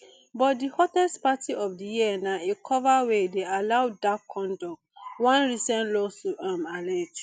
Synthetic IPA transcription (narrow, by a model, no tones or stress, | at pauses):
bɔt̚dihɔtɛstpatiɔfdijiɛnãekʰɔvawedealaʊdakkʰːɔ̃ndɔk̚ | wãnɹisɛ̃nlosuʔãmalɛd͡ʒ